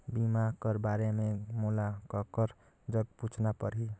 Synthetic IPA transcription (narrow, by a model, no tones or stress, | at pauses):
bimakəɾbaɾememulakəkəɾ | d͡ʒəɡ̚put͡ʃʰnapəɾɦi